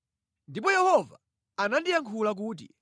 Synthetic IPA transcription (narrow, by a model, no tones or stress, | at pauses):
ndipɔjɛhɔva̰ | anandijaŋkʰulak̬uːt̬ḭ